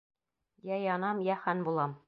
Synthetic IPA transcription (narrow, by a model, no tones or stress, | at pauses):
jæjɑnɑmjæhænbulˠɑm